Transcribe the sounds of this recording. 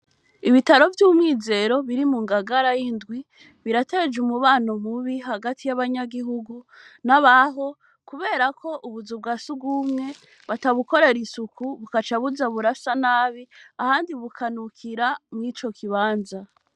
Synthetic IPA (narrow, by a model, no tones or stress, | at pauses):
iβitaɾo̞vjuumŋiːze̞ɾo̞βiɾimuŋɡaɡaɾajindɡwi | βiɾate̞ːd͡ʒumuβaːno̞muβiɦaɡatʰijaβaɲaɡiɦuɡu | naβaɦo̞ | kuβe̞ːɾakʰo̞ʔuβuzub̚ɡasuɡɡumŋe̞ | βataβuko̞ɾe̞ɾisukʰuβukat͡ʃaβuzaβuɾasanaːβiahaːndiβukʰanukʰiɾamŋiːt͡ʃo̞kʰiβaːnza